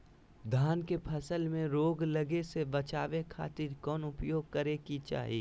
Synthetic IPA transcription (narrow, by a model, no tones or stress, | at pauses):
d̪ʱaːnkepʰɐsəlmẽɾoːɡlɐɡesebɐt͡ʃaːʋekʰa̰ːt̪ɪɾkɔːnʊpjoːɡ̚kəɾekit͡ʃa̰ːɦḭː